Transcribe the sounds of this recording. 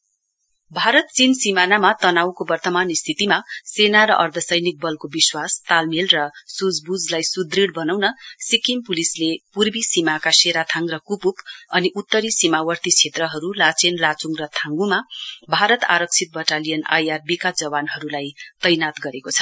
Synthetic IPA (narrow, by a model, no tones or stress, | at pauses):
bʱaɾʌt̪̚t͡sinsimanamat̪ʌnawkobʌrt̪ʌmanist̪ʰit̪imasenaɾʌʔʌrd̪ʱʌsʌjnik̚bʌlkobiswast̪almelrʌsud͡zbud͡zlajsud̪riɽbʌnawnʌsikimpulislepurbisimakaseɾat̪ʰãŋɡrʌkupupʌniʔut̪ːʌɾisimawʌrt̪it͡sʰet̪rʌɦʌɾulat͡senlat͡suŋrʌt̪ʰãŋɡumabʱaɾʌt̪a̰ɾʌk̚t͡sʰit̪̚bʌʈalijʌna̰jarbikad͡zʌbanɦʌɾulajt̪ʌjnat̪ɡʌɾekot͡sʰʌ̥